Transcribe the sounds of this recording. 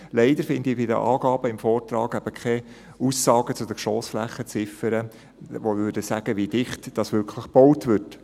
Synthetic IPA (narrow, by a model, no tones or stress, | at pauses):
lɛɪdəɾfɪndɪbɪdə̰ʔɑːɡɑːb̥əɪmfɔːrtɾɑːɡæb̥əkʰɛ | uːsːɑːɡ̥ət͡sʊd̥əʃɔːsflæχːət͡sɪfəɾə | ʋovʏɾdəsæɡ̥əʋidɪχtd̥ɑsʋʏɾkʰləχb̥ɔwtvʏt